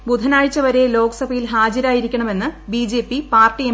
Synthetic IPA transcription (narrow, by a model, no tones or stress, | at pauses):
bud̪ʱɐnaːɻit͡ɕːɐʋɐɾe̞lo̞ːkɐsɐbʱɐjilɦaːd͡ʑɐɾaːjiɾikʲːɐɳɐme̞nːɨbiːd͡ʑeːpːipaːrʈːie